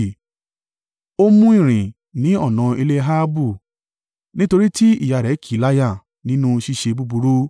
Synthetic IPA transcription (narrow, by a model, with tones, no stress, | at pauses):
o˦mũ˦i˦˨ɾ̃ĩ˨ | nĩ˨˦ɔ˦˨nã˨i˧le˧ɦa˦bu˦˨ | nĩ˦to˧ɾi˦ti˦ḭ˦˨ja˨ɾɛ˨˦kʰi˦˨˦la˦ja˦˨ | nĩ˨˦nũ˦ʃi˧ʃe˧bu˧bu˧ɾu˦